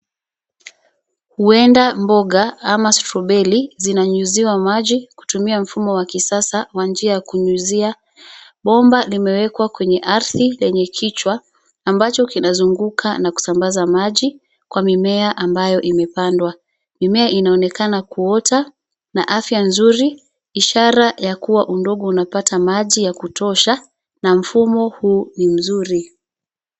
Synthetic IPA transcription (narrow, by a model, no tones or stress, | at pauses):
huɛndambɔɠaamastɾɔɓɛlizinaɲuziwamaʄiku̥tumiam̩fumɔwakisasawand͡ʒiajakuɲuzia | ɓɔmbalimɛwɛkwakwɛɲɛʔaɾθilɛɲɛkʰit͡ʃwaː | mbat͡ʃɔkinazuŋɡukʰanaku̥sambazamaʄi | kwʔamimɛaʔambajɔʔimɛpandwa | mimɛaʔinaɔnɛkanakuɔta | naʔafjanzuɾi | iʃaɾajakuwaʔundɔɠɔunapatʰamaʄijakutɔʃa | nam̩fumɔhuːnim̩zuɾi